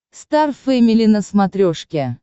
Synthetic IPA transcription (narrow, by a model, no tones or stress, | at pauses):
st̪arfɛmʲɪlʲinəsmat̪ɾʲoʂkʲe